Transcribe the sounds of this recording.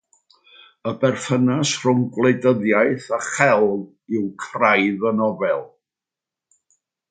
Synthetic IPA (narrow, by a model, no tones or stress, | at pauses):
əbɛrfənasr̥ʊŋɡlˠejdəðjajθaχɛlˠ | ɪwkʰrajðənɔvɛlˠ